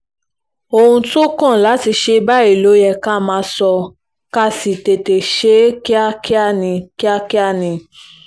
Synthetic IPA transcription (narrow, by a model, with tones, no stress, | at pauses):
o˧hũ˧to˦kã˦˨la˨˦ti˧ʃe˧ba˦i˦˨lo˨˦jɛ˧ka˦mãː˧˦sɔ˧ | ka˦si˨te˨te˨ʃe˨˦ki˦a˦ki˦a˦˨nĩ˧ki˦a˦ki˦a˦˨nĩ˧